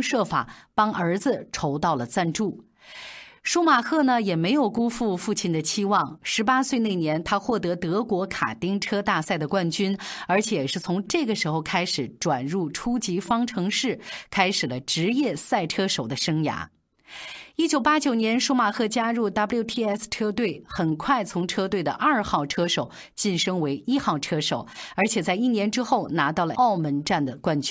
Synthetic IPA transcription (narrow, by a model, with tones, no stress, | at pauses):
ʂɤ˥˩fa̰˨˩˦pɑ˥ŋʔə˞˧˥d͡zɹ̩˧ʈ͡ʂʰo˧˥ʊt̪ɑ˥˩ʊlə˩t͡sa˥˧nʈ͡ʂu˥˩ | ʂu˥ma˨˩xʰɤ˥˩nə˩jɛ˨˩me˧˥ɪjo˨˩ʊku˥fu˥˧fu˥˩t͡ɕʰi˥˩nd̪ə˩t͡ɕʰi˥wɑ˥˩ŋʂɻ̩˧˥pa˥swe˥˧ɪne˥˩ɪnjɛ˧˥nt̪ʰa˥xwɔ˥˩t̪ɤ˧˥t̪ɤ˧˥kwɔ˧˥kʰa̰˨˩t̪i˥ŋʈ͡ʂʰɤ˥t̪a˥˧sa˥˩ɪd̪ə˩kwa˥˩nt͡ɕy˥nə˞˧˥t͡ɕʰjɛ˨˩ʂɻ̩˥˩t͡sʰʊ˧˥ŋʈ͡ʂɤ˥˩ɡə˩ʂɻ̩˧˥xo˥˧ʊkʰa˥ɪʂɻ̩˨˩ʈ͡ʂwa˨˩nɻu˥˩ʈ͡ʂʰu˥t͡ɕi˧˥fɑ˥ŋʈ͡ʂʰɤ˧˥ŋʂɻ̩˥˩kʰa˥ɪʂɻ̩˨˩lə˦ʈ͡ʂɻ̩˧˥jɛ˥˧sa˥˩ɪʈ͡ʂʰɤ˥ʂo˨˩ʊd̪ə˦ʂɤ˥ŋja̰˧˥ | i˥t͡ɕjo˨˩ʊpa˥t͡ɕjo˨˩ʊnjɛ˧˥nʂu˥ma˨˩kʰɤ˥˩t͡ɕja˥ɻu˥˩t̪a˥pljo˥˩ʊt̪ʰi˥˧ɛ˥˩sʈ͡ʂʰɤ˥t̪we˥˩ɪxə˨˩nkʰwa˥˩ɪt͡sʰʊ˧˥ŋʈ͡ʂʰɤ˥t̪̬we˥˩ɪd̪ə̰˩ʔɐ˞˥˧xɑ˥˩ʊʈ͡ʂʰɤ˥ʂo˨˩ʊ | t͡ɕi˥˩nʂɤ˥ŋwe˧˥ɪʔi˥xɑ˥˩ʊʈ͡ʂʰɤ˥ʂo˨˩ʊə˞˧˥t͡ɕʰjɛ˨˩t͡sa˥˧ɪi˥˩njɛ˧˥nʈ͡ʂɻ̩˥xo˥˩ʊna˧˥t̪ɑ˥˩ʊlə̰˨ʔɑ˥˩ʊmə˧˥nʈ͡ʂa˥˩nd̪ə˩kwa˥nt͡ɕ